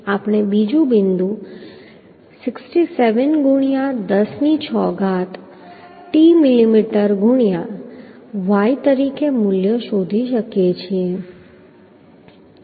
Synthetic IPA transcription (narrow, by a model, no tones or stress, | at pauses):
apɽ̃ebid͡ʒũbɪnd̪ũ | sɪksʈiseʋənɡʱʊɽ̃ijad̪əsnit͡ʃʰɔɡat̪ | ʈimɪlimiʈəɾɡʱʊɳ̃jã | ʋait̪əɾikemʊljəʃod̪ʱiʃəkjet͡ʃʰie